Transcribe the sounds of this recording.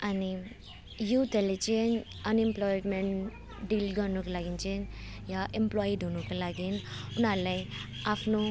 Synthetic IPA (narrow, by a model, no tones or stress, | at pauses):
ɐni | jut̪elit͡ʃin | ɐnemplɔjɖmeɳʈ | ɖilɡɔnuklaɡint͡ʃin | jaʔemplojiɖʱunukulaɡinunalɐj | apʰnu